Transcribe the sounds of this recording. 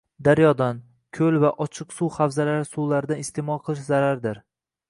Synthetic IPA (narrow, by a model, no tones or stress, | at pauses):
d̪aɾjɒd̪an | kʲʰɵlvaʔɒt͡ʃʰɨqsuwhafzalaɾɪsuwlaɾɪd̪anɪst̪ʰemɒlˠqʰɨlˠɪʃzaɾaɾd̪ɪɾ